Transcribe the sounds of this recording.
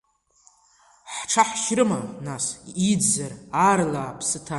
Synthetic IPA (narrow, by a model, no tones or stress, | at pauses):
ħʈ͡ʂʰaħʃrɨmanasid͡zararlaːpʰsɨtʰa